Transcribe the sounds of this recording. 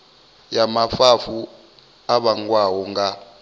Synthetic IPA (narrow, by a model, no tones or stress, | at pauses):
jamafafu | aɓaŋkwawɔŋɡa